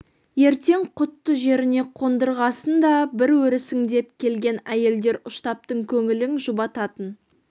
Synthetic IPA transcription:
je̞ɾt̪e̞ŋqʰʊt̪ːəʒe̞ɾɪne̞qʰo̞nd̪əɾʁɑsənd̪ɑbɪɾwɵɾɪsɪŋd̪e̞p̚kʲʰe̞lɡʲe̞næje̞ld̪e̞ɾʊʃt̪ɑp̚t̪əɴkʲʰɵŋɪlɪŋʒʊbɑt̪ɑt̪ən

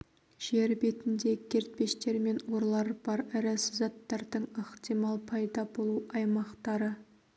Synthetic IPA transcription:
ʒ̥e̞ɾbe̞t̪ɪnd̪e̞kʲʰe̞ɾt̪̚pe̞ʃt̪e̞ɾme̞nwo̞ɾlˠɑɾb̥ɑɾæɾɪsɪzɑt̪ːɑɾd̪əɴəχt̪imɑlˠpʰɑjd̪ɑbo̞lˠuɑjmɑqt̪ɑɾə

